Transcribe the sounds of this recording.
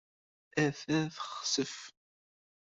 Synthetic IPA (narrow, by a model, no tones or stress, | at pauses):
æfæθəχsəf